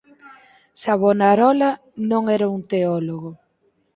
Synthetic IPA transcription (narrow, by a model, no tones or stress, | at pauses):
saβonaɾɔla | nõŋɛɾaunt̪eɔloɣo